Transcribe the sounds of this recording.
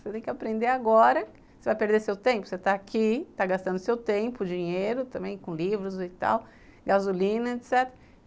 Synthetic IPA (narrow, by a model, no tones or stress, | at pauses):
set̪ẽj̃kɪapɾẽnd̪eaɡɔɾɐ | sevajpeɾd̪esewt̪ẽpʊ̥set̪aːkʰit̪aɡast̪ɐ̃nd̪ʊsewt̪ẽmpʊd͡ʒĩɲejɾʊt̪ɐ̃mbẽj̃kõlivɾʊzɪt̪a̰w | ɡazulĩnɐet̪sɛt̪ɾɐ